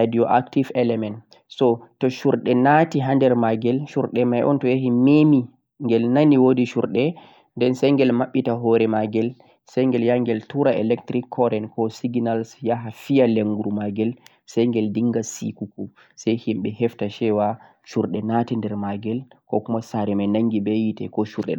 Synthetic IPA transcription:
adiɔʔaktivɛlɛmɛnt | sɔtɔʃuɾɗɛnatiɦandɛɾmaɡɛlʃuɾɗɛmajʔɔ̰ntɔjaɦimemi | ŋɡɛlnaniwodiʃṵɾɗɛ | ndɛnsɛjŋɡɛlmaɓːitaɦɔɾɛmaɡɛl | sajŋɡɛljaŋɡɛltuɾaɛ̰lɛktɾikʰːɔɾɛnkɔsiɡnalsjaɦafijaleŋɡuɾumaɡɛl | sɛjŋɡɛldiŋɡasḭkuku | sajhimɓɛhɛftaʃɛwa | ʃuɾɗɛnatindɛɾmaɡɛlkɔ̰kumasaɾɛmanaŋɡiɓɛjitɛ̰kɔʃuɾɗɛ̰

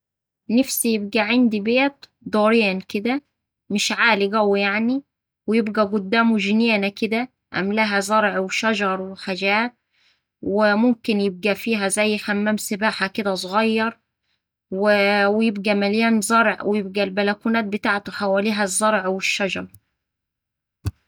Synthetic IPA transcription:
næfsijeb̚ɡæʕand̪ibeːt̪ | d̪ˤoːɾjæːnked̪æ | mɪʃʕaːliɡæwːjaʕni | wejebɡæɡʊd̪ːæːmuʒɪnæːnæked̪æ | ʔæ̰mlæɦæzˤɑɾˤʕweʃæʒɑɾˤweħaʒæːt̪̚ | wemʊmkenjeb̚ɡæfiːɦæzæjːħæmːæːmsebaːħaked̪æs̬ˤoɣɑjːɑɾˤ | wewjebɡæmæljæːnzˤɑɾˤʕwejeb̚ɡælbælækunæːt̪̚bet̪aːʕt̪oħawæːliːɦæzˤːɑɾˤʕweʃːæʒɑɾˤ

